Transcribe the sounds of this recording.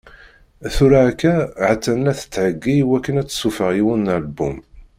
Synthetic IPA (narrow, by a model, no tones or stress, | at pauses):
θuɾakːæʕət͡sːænlæθə̥t͡sːʕəɡːiwækːənæt͡sːsufəʁiwunːəlbṵm